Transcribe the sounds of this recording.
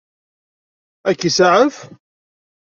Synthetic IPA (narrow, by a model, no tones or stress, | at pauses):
ækːisaʕənf